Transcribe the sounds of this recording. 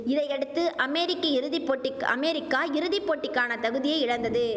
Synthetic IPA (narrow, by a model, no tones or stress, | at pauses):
ɪðɐɪɛɽɯt̪ːɯʔɐmɛːɾɪkːɐɪɾɯðɪpːoːʈːɪkɐ̰meːɾɪkːaːɪɾɯðɪpːoːʈːɪkːaːnɐt̪ɐɣɯðɪjɐɪɪɻɐnd̪ɐðɯ